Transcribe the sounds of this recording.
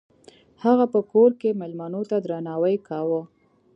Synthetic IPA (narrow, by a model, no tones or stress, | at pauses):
haɣapəkoɾkemelmanot̪ad̪ɾanɑwəjkɑwə